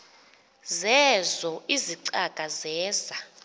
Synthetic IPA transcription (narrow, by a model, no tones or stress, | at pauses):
zɛzɔiziǀaɡ̥ʱʼazɛːza